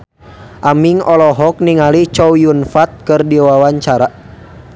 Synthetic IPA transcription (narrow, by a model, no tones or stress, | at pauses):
ʔamiŋɔlɔɦɔk̚niŋalit͡ʃɔwjunfat̪̚kɨrdiwawaɲt͡ʃaɾa